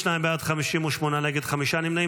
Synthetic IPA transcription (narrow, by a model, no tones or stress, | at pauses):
naːbaːt̪xɐmiʃimuʃmonalɐɡit̪xɐmiʃaːnimnɐ